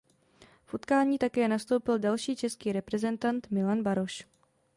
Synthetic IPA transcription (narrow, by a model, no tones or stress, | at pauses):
fʔut̪kaːɲiːt̪akɛːnast̪o̞wpɪldalʃiːt͡ʃɛskiːɾɛpɾɛzɛnt̪ant̪mɪlanbaɾo̞ʃ